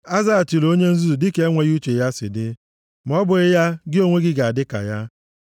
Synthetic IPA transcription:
a˦za˦a˨ti˨lo˦ɲe˦n̩˦zu˦u˨dɪ˦ke˨˦e˦ŋʷe˨ju˦t͡ʃe˨ja˦sɪ̰˨dɪ˦ | m̩˨ɔ˦bʊ˨ɾɪ˦ja˦ɡɪ˦o˦ŋʷe˦ɡɪ˦ɡa˨a˨dɪ˦ka̰˨ja˦

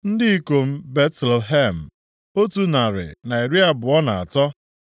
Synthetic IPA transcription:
n̩˦dɪ˦i˦ko˨m̩˦be˦tlo˨ɦe˦m̩˨ | o˦tu˨na˨ɾɪ̰˨na˨i˨ɾi˦a˨bʊ˨ɔ˦na˨a̰˨tɔ˦

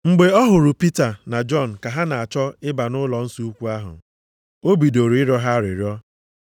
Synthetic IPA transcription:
ŋ͡m̩˨ɡ͡be˨ɔ˦ɦʊ˨ɾʊ˨pi˦ta˨na˨d͡ʒɔ˦˨n̩˨ka˨ɦa˦na˨a˨t͡ʃɔ˦ɪ˦ba˨nʊ˦lɔ˨n̩˦su˦u˦kʷu˦a˦ɦʊ̰˨ | o˦bi˨do˨ɾu˨ɪ˦ɾɔ˦ɦa˦ɾɪ˨ɾjɔ˦

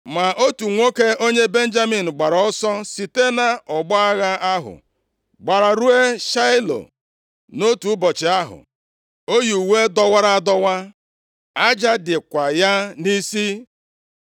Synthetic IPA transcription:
ma˨ʔo˦tu˨ŋʷo˦ke˦o˦ɲe˦be˦n̩˦d͡ʒa˦mi˨n̩˨ɡ͡ba˨ɾɔ˨ɔ˦sɔ˦si˨te˦na˨ɔ˨ɡ͡bɔ˦a˦ɣa˦a˦ɦʊ̰˨ | ɡ͡ba˨ɾa˨ɾu˦e˦ʃa˦ɪ˦lo̰˨ | no˦tu˨ʊ˦bɔ˨t͡ʃɪ˨a˦ɦʊ̰˨ | o˦ju˨we˦dɔ˦wa˦ɾa˦dɔ˦wa˦ | a˦d͡ʒa˦dɪ˨kʷa˨ja˦ni˦si˦

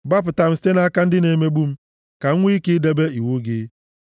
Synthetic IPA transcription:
ba˦p̬ʊ˨ta˦m̩˦si̥˦te˦na˦ka˦n̩˦dɪ˦ne˨me˦ɡ͡bu˦m̩˦ | ka˨ŋ̩˦ŋʷ˦i˦kɪ˦de˦be˦i˨wo˦ɡe˨˦

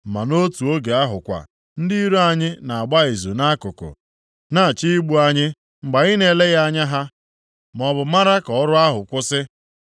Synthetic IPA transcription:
m̩˨ma˨no˦tu˨o˦ɡe˨a˦ɦʊ˨kʷa̰˨ | n̩˦dɪ˦i˦ɾo˦a˨ɲɪ˦na˨a˨ɡ͡ba˦ɪ˨zu˨na˦kʊ˨kʊ̰˨ | na˦˨t͡ʃi˦i˦ɡ͡bu˦a˦ɲɪ˦ | ŋ͡m̩˨ɡ͡ba˨ɣɪ˦ne˦˨le˦ɣa˦a˦ɲa˦ɦa˦ | mɔ˨bʊ˨ma˦ɾa˦kɔ˨ɔ˦ɾʊ˦a˦ɦʊ˨kʷʊ˦sɪ˦

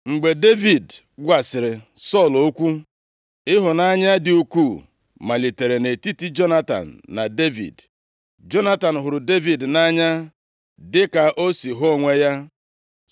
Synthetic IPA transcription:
ŋ͡m̩˨ɡ͡be˨de˦vi˨d | ɡʷa˨sɪ˨ɾɪ˨sɔ˦˨lo˦kʷu˦ | ɪ˦ɦʊ˨na˦ɲa˦dɪ˨u˦ku˦˨ | ma˨li˨te˨ɾe˨ne˨ti˦ti˦d͡ʒo˦na˦ta̰˨n̩ː˨a˨de˦vḭ˨d | d͡ʒo˦na˦ta˨n̩˨ɦʊ˨ɾʊ˨de˦vi˨dna˦ɲa˦ | dɪ˦ka˨ʔo˦si˨ɦo˦˨ŋʷe˦ja˦

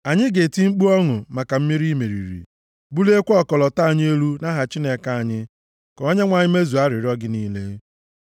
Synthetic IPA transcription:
a˨ɲɪ˦ɡe˨ti˦ŋ͡m̩˦k͡pu˦ɔ˦ŋʊ˨ma˨ka˨m̩˦mi˦ɾi˦me˨ɾḭ˨ɾḭ˨ | bu˦le˦kʷɔ˦kɔ˨lɔ˨ta˦a˨ɲ˦e˦lu˦na˦ɦa˨t͡ʃi˦ne˦ka˦˨a˨ɲɪ˦ | kɔ˨o˦ɲe˦ŋʷa˨ɲɪ˦me˦zu˨a˦ɾɪ˨ɾɔ˦ɡɪ˦niː˦le˦

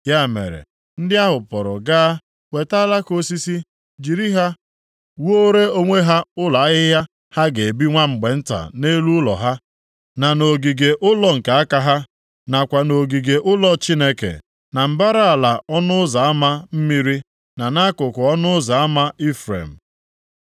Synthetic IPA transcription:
ja˦˨mḛ˨ɾḛ˨ | n̩˦dɪ˦a˦ɦʊ˨pɔ˨ɾɔ̰˨ɡa˦ | we˨ta˦la˦ko˦si˦si˦ | d͡ʒi˨ɾi˦ɦa˦ | wo˦ɾe˦o˦ŋʷe˦ɦa˦ʊ˦la˨˦ɣɪ˦ɦja˦ | ha˦ɡe˨e˨bi˦ŋʷa˦ŋ͡m̩˨ɡ͡be˨n̩˦ta̰˨ne˦lu˦ʊ˦lɔ̰˨ɦa˦ | na˨no˨ɡi˨ɡe˨ʔʊ˦lɔ˦ŋ̩˨ka˨a˦ka˦ɦa˦ | na˨kʷa˨no˨ɡi˨ɡe˨ʔʊ˦lɔ˦t͡ʃi˦ne˦kḛ˨ | na˨m̩˨ba˦ɾa˦a˨la˨ɔ˦nʊ˦za˨a˦ma˦m̩˦mi˦ɾi˦ | na˨na˦kʊ˨kʊ˨ɔ˦nʊ˦za˨a˦ma˦ʔi˦fɾḛ˨m̩˨

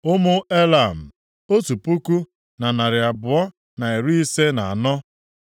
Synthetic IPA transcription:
ʊ˦mʊ˦e˦la˨m̩˨ | o˦tu˨pu˦ku˦ | na˨na˨ɾɪ˨a˨bʊ˨ɔ˦ | na˨e˨ɾu˦i˦se˦na˨a˨nɔ˦

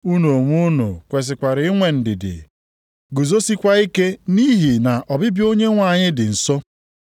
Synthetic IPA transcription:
u˦no˨o˨ŋʷu˦nṵ˨kʷe˨s̬ɪ˨kʷa˨ɾɪ˨˦i˦ŋʷe˨n̩˨dɪ˨dɪ̰˨ | ɡu˨zo˦si˦kʷa˦i˦ke˦ni˦ɦi˨na˨ʔɔ˨bɪ˦bjo˦ɲe˦ŋʷa˨ɲɪ˦dɪ˨n̩˨sɔ˦

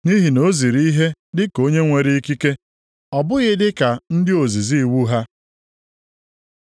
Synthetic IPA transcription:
ni˦ɦi˨no˦zi˨ɾi˦ɦe˦dɪ˦ko˦ɲe˦ŋʷe˨ɾi˦i˦ki˦ke˦ | ɔ˨bʊ˦ɣɪ˦dɪ˦ka˨n̩˦dɪ˦o˨zi˨zi˦˨wu˦ɦa˦

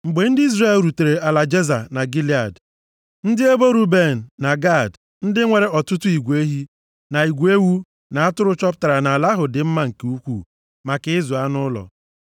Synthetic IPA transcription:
ŋ͡m̩˨ɡ͡be˨n̩˦dɪ˦i˦zre˦e˦˨lɾu˨te˨ɾe˨a˨la˨d͡ʒe˦za˨na˨ɡi˦li˦a˨d | n̩˦dɪ˦e˦bo˦ɾu˦be˦˨n̩ː˨a˨ɡa˦˨d | n̩˦dɪ˦ŋʷe˨ɾe˦ɔ˨tʊ˦tʊ˦i˨ɡʷe˦ɦi˦ | na˨i˨ɡʷe˦wu˦ | na˨a˦tʊ˦ɾʊ˦t͡ʃɔ˦pta˨ɾa˨na˨a˨la˦ɦʊ˨dɪ˨m̩˦ma˦ŋ̩˨ke˨u˦kʷu˦˨ | ma˨kɪ˨ɪ˦zu˨a˦nʊ˦lɔ̰˨

